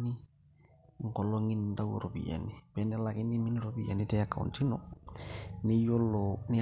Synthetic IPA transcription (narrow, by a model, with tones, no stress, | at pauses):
nɪ˦ | ŋ̩˨kɔ˨lɔ˦ŋi˦n˨nda˦wṵ˨ɾo˨bḭ˨ja̰˨ni˨pɛ˨˦nɛ˦la˨kɪ˦ni˦mi˦ni˦ɾo˨bi˨ja̰˨ni˦tɛ˦a˦kːa˨ṵ˨nt͡ʃi˦nɔ˨ | nɪ˦jɔ˦lːɔnɪ˦